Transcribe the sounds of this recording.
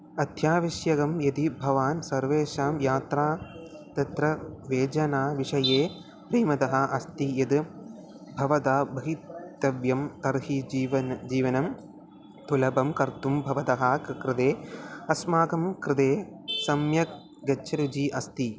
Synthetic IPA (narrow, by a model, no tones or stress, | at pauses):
ɐd̪ʱjaːʋiʃjɐɡɐmjɐd̪ibʱɐʋaːnsɐɾʋeːʃaːmjaːt̪ɾaːt̪ɐt̪ɾɐʋeːd͡ʒɐnaːʋiʂɐjeː | pɾiːmɐt̪ɐɦɐ̆ʔɐst̪ijɐd̪ɨ | bʱɐʋɐd̪aːbɐɦitt̪ɐʋjɐmt̪ɐɾɦiʋɐd͡ʒiːʋɐnɐm | t̪ulɐbɐmkɐɾt̪umbʱɐʋɐt̪ɐɦaːkɾɪd̪eːɐsmaːkɐmkɾɪd̪eːsɐmjɐk̚ | ɡɐt͡ʃʰːɐɾud͡ʒiːʔɐst̪i